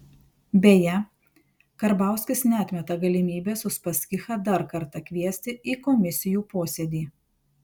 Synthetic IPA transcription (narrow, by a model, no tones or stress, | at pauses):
bʲeːjɛ | kɐɾbɑˑʊsʲkʲɪsnʲɛɐt̪ʲmʲɛt̪ɐɡɐlʲɪmʲiːbʲeːsʊspɐsʲkʲɪxɐd̪ɐɾkɐɾt̪ɐkʲʋʲiɛsʲt̪ʲɪiːkɔmʲɪsʲɪjuːpoːsʲeːd̪ʲiː